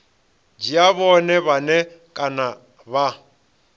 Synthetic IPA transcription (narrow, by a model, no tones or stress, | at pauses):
d͡ʒiaβɔnɛβanɛkʼana | βa